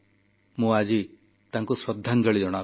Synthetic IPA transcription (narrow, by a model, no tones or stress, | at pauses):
mũːad͡ʒi | t̪aŋkuswɐd̪ʱːand͡ʒɐɭid͡ʒɔɽ̃a